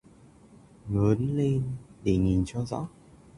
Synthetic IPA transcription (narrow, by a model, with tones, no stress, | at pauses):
ŋəː˨˦nle˧nɗe˧˩ŋi˨˩nt͡ɕɔ˧zɔ̰˧˥